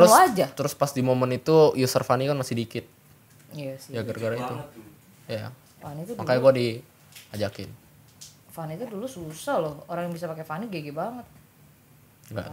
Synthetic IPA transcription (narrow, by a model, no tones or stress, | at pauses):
t̪əɾʊad͡ʒat̪əɾʊspasdimomənit̪ujusərfanikanmasɪhdikɪt̪̚ | jasjaɡarɡaɾaitt̪u | jaa̰ | fanit̪umakajaɡuadi | ad͡ʒakɪn | fanit̪udulususahlɔhoɾaŋjaŋbisapakefaniɡeɡɛbaŋət̪̚ | ŋɡa̰